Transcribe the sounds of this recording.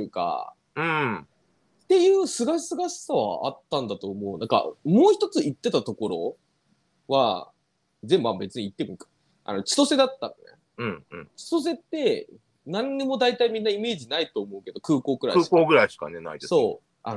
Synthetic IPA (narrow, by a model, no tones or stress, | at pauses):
ɯ̟ka̰ | ɯ̟̃ | t̪e̞jɯ̟ːsɨɡaɕisɨɡaɕi̥saβa̰a̰t̪ːãnd̪at̪o̞ːmo̞ɯnãŋka̰mo̞ːçi̥t̪o̞t͡sɨit̪ːe̞t̪at̪o̞ko̞ɾo̞̰ | βa | zẽ̞mbãmbe̞t͡sɨɲ̟iit̪ːe̞moĩkḁ | ʔa̰no̞t͡ɕi̥t̪o̞se̞d̪at̪ːano̰ne̞̰ | ɯ̟̃ɴɯ̰̃t͡ɕi̥t̪o̞s̬e̞t̪ːe̞ | nãɲ̟ːimo̞d̪ait̪aimʲĩnːaime̞ːd͡ʑinait̪o̞ːmo̞ɯ̟ke̞d̪o̞kɯ̟ːko̞ːɡɯ̟ɾa̰iɯkoːɡɯ̟ɾaiɕi̥ka̰nena̰id̪eso̞ː | a̰